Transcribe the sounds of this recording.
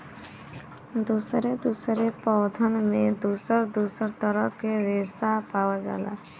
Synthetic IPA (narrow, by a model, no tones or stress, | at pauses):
d̪usɾed̪usɾepɔwd̪ʱənmed̪usəɾd̪usəɾt̪əɾəkeɾesapawad͡ʒa̰la̰